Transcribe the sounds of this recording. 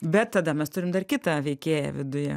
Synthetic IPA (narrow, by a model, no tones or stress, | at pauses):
bʲɛt̪̚t̪ɐd̪ɐmʲɛst̪ʊɾʲɪmd̪ɐrkʲɪt̪ɐʋʲɛɪkʲeːjɛ̰ʋʲɪd̪ʊjɛ̰